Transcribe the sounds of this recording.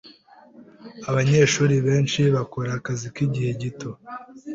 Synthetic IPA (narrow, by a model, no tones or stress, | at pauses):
aβaɲe̞ːʃuːɾiβe̞ːnʃiβakoɾakazikiɟihe̞ɟito̞